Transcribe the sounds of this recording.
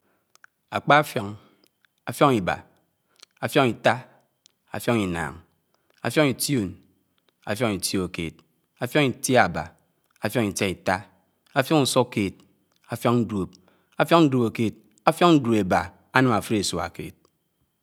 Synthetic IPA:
a˨k͡pa˦fjɔ˨ŋ | a˨fjo˦ŋi˨ba̰˨ | a˨fjo˦ŋi˨ta˦ | a˨fjo˦ŋi˨na̰ː˨ŋ | a̰˨fjo˦ŋi˨ti˦o˨n | a̰˨fjo˦ŋi˨tjo˨kḛː˨t̚ | a˨fjo˦ŋi˨ti˦a˨ba̰˨ | a˨fjo˦ŋi˨ta˦i˨ta˦ | a˦fjo˦ŋu˨so˦keː˨t̚ | a˨fjo˦ŋn̩˦dwo˨p̚ | a˦fjo˦ŋn̩˦do˨bo˨ke˨t̚ | a˦fjo˦ŋn̩˦do˨be˨ba˨ | a˦nɨ˦ma˨fu˦ɾe˨su˨a̰˨kḛː˨t̚

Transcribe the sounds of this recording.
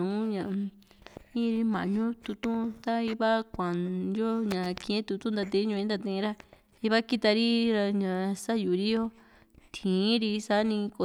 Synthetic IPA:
ũ˨˦ɲã˧˨˧ | ĩ˦˧ɾi˧mã̰˨ɲũ˦t̪u˧t̪ũ˦˧t̪a˦i˧βa˦kʷã˨njo˦ɲã˨˧kĩ˧ẽ˦t̪u˧t̪ũ˦nd̪a˧t̪̬ẽ˧˦ɲũ˧ĩ˦nd̪a˧t̪ĩ˧ɾa˦ | i˧βa˦ki˦t̪a˧ɾi˦ɾa˧ɲã˨˧sa˦ju˨˧ɾi˦jo˦ | t̪ʰĩː˨˦ɾi˧sa˦nĩ˧ko˧˨

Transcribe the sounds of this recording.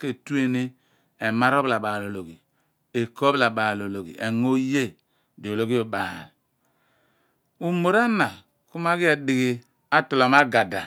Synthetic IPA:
ke˦tu˦e˦ne˦ | e˨ma˦ɾo˦bla˨ba˨lo˨lo˨ɡi˨ | e˨ko˦bla˨ba˨lo˨lo˨ɡḭ˨ʔe˨ŋo˦je˦ | do˨lo˦ɡi˦o˨ba̰˨ɾ | u˨mo˨ɾa˦na˨ | ku˦ma˦ɡi˦e˨di˨ɡi˨ | a˦to˨lo˨ma˦ɡa˨da˨

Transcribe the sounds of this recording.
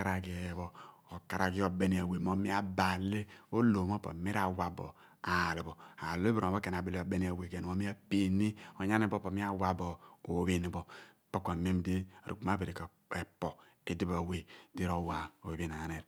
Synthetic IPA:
a˦ɾa˨ɡi˦˨˦βo˦o˨ka˨ɾa˨ɡi˦o˨be˦ni˨a˨we˨mo˦mi˦a˦ba˨le˦o˦lo˨m˦o˦po̰˨me˦ɾa˨wa˦bo̰˨ | a˨li˨bo˨a˨lo˦bo˨o˦ke˨na˨bi˦lo˨be˦ni˦a˨we˨ɡe˨n˨o˦mi˦a˦pe˨ni˦o˨ɲa˦ne˦bo˦po˨mi˦a˦wa˦bo˨o˨˦βi˦ni˨bo˨ | po˦ka˨me˦mdi˦a̰˨ɾṵ˨k͡pu˨ma˦be˨ɾi˨k | e˨po˨ | i˦di˦ba˨we˦di˦ɾo˦wa˨o˨bi˦na˨a˨ne˨ɾ

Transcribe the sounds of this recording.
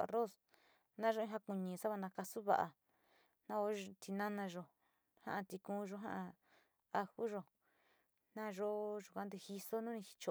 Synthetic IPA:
a̰˧ro˦˨s | nã˦ʒo˦ĩ˦ɦa˧ku˧ɲĩ˨sa˦βa˧nã˧ka˧su˦βa̰˧ʔa̰˧ | nã˦o˧˦˧t̪ʰi˧nã˦nã˧ʒo˧ | hã̰˦ʔã˧t̪i˧kũː˦˧ʒo˧˦ɦã˦ʔã˧ | a˧xu˦ʒo˧ | nã˦˧ʒo˦ʒu˨kʷa˧˦nd̪e˧hi˧so˦nũ˦nĩ˧hi̥˧t͡ʃo˧

